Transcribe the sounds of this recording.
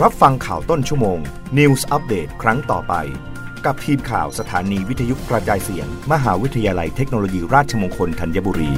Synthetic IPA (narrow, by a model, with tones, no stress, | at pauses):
ɾa˦˥p̚fa˧ŋkʰaː˨˩wt̪o˥˩nt͡ɕʰu˥˩əmoː˧ŋ | ni˧wsʔa˦˥p̚deː˨˩t̪̚kʰɾa˦˥ŋt̪ɔ̰ː˨˩pa̰˧j | ka˨˩p̚t̪ʰiː˧mkʰa̰ː˨˩wsa˧t̪ʰa̰ː˩˦niː˧wi˦˥t̪ʰːa˧ju˦˥kɾa˧t͡ɕaː˧jsḭ˨˩˦ənma˧ɦaː˩˦wi˦˥t̪ʰːa˧jaː˧la˧jt̪ʰe˦˥k̚noː˧loː˧jiː˧ɾaː˥˩t̪̚t͡ɕʰa˧moː˧ŋkʰo˧nt̪ʰa˧nja˦˥buː˧ɾiː˧